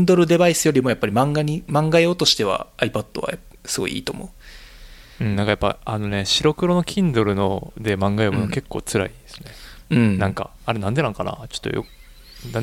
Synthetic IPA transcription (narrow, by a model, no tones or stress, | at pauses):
nd̪o̞ɾɯ̟d̪e̞baisɨjo̞ɾʲimo̞japːaɾʲimãŋɡaɲ̟imãŋɡajo̞ːt̪o̞ɕi̥t̪e̞βa̰aipat̪ːo̞̰βa̰ | sɨɡo̞̰ḭḭːt̪o̞mo̞̰ɯ̟ | ɯ̟̃ɴnãŋkajapːa̰ano̞ne̞ɕiɾo̞kɯ̟ɾo̞no̞kʲʰĩnd̪o̞ɾɯ̟nod̪e̞mãŋɡajoːmonoke̞kːo̞ːt͡sɨɾa̰id̪esɨ̥neɯ̃nãŋka̰ːɾe̞nãnd̪e̞nãŋkana̰t͡ɕo̞̥t̪ːo̰jo̰ | na